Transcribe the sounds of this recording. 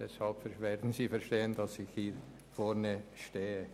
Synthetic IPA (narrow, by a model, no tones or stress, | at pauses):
d̥ɛshɑlpfɛvɛːdn̩siːfɛɾʃteːəndɑsɪxhiː | fɔɾnəʃteːə